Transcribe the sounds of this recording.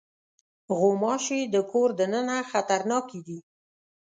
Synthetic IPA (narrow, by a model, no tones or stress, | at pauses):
ɣomɑʃed̪əkoɾd̪ənənaxat̪aɾnɑkid̪i